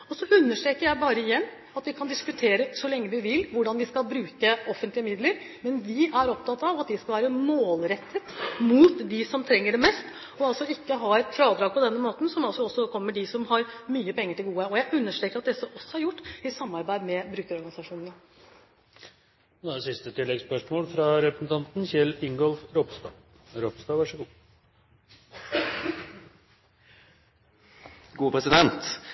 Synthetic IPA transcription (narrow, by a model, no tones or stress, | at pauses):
ɔsɔʔʉnːəʂʈɾeːkəɾjæɪbɑːɾəɪjɛnː | ɑt̪ʋɪkʰɑnd̪ɪskʉt̪ʰeːɾəsɔlɛŋːəʋɪʋɪlːʋʊɖɑnʋɪskɑlbɾʉːkəɔfənt̪lɪəmɪd̪ləɾ | mɛnʋɪʔæɾɔp̚t̪ʰɑt̪ːɑʋɑt̪̚d̪ɪskɑlʋæːɾəmoːlɾɛt̪ʰːət̪muːt̪d̪ɪsɔmt̪ʰɾɛŋːəɖɛmɛst̪ | ɔɑlsɔɪkːəɦɑɾɛt̪fɾɑːd̪ɾɑːɡ̚pʰɔd̪ɛnːəmoːt̪n̩sɔmɑlsɔɔsɔkʰɔmːəɖɪsɔmhɑɾmyːəpʰɛŋːəʈɪlɡuːəɔjæɪʔʉnːəʂʈɾeːkəɾɑt̪̚d̪ɛsːəʔɔsːɔhɑɾjʊʈːɪsɑmːɑɾbæɪd̪mɛbɾʉːkəɾɔɾɡɑnɪsɑʂuːnənə | sɪst̪ət̪ʰɪlːɛɡspœʂmoːlfɾɑɾɛpɾəsn̩t̪ʰɑnt̪nçɛlɪŋɡɔlfɾɔpst̪ɑ̰ː | ɾɔpst̪ɑːʋɑʂəɡuː | ɡuːpʰɾɛsɪd̪ɛnt̪